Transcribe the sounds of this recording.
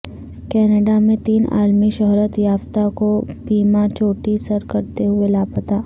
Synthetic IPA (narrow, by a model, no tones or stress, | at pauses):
kɛːnəɖamẽt̪iːna̰ːlmiʃɐɦɾət̪jaːft̪akobiːmat͡ʃoːʈisəɾkɐɾt̪eɦʊelaːpət̪aː